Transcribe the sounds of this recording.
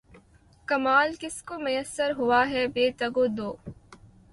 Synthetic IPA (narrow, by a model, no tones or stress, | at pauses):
kɐmaːlkɪskomʊjəsːəɾɦʊʋaɦɛbeːt̪ɐɡoːd̪oː